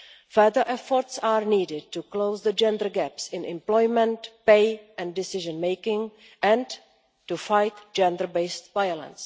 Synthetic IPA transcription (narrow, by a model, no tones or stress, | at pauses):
fɛðə˞ʔɛfɔɾtsaɹniːdɪd̚tukloʊzðəd͡ʒɛ̃ndəɹɡɛpsɪ̃nʔɪ̰̃mplɔjmɛ̃ntpeɪɛ̃ndɪsɪʒə̃nmeɪkɪ̃ŋ | ʔɛ̃n | tufajtd͡ʒɛ̃ndəɹbeɪstvajolə̰̃ns